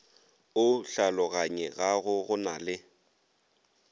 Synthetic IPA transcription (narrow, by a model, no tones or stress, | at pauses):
ʊɬalɔɣaɲɛɣaɣʊɣʊnalɪ